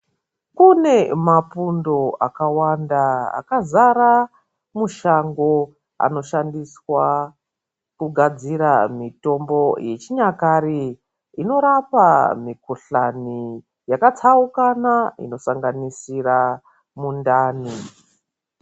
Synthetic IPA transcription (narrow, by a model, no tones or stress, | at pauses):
kune̞mapundo̞ʔakawandaa̰kazaɾa | muʃaŋɡo̞ | a̰no̞ʃandiswa | kuɡʱad͡ziɾamito̞mbo̞je̞t͡ʃiɲakaɾi | ino̞ɾapamikuɬani | jakat͡saukanaḭno̞saŋɡanisira | mundaːni